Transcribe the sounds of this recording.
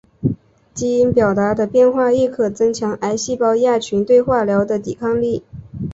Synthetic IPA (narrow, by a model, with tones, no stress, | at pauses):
t͡ɕi˥i˧˥npjɑ˨˩ʊt̪a˧˥d̪ə˧pjɛ˥˧nxwa˥˧i˥˩kʰɤ˨˩t͡sɤ˥ŋt͡ɕʰjɑ˧˥ŋʔa˧˥ɪɕi˥˩pɑ˥ʊja˥˩t͡ɕʰy˧˥nt̪we˥˧ɪxwa˥˩ljɑ˧˥ʊd̪ə˧t̪i˨˩kʰɑ˥˧ŋli˥˩